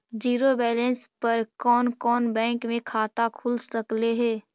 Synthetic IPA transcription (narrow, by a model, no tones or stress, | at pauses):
d͡ʒiːɾobɛːlə̃nspɐɾkɔːnkɔːnbɛ̃ːŋkmẽkʰaːt̪akʰʊlsɐkleɦɛː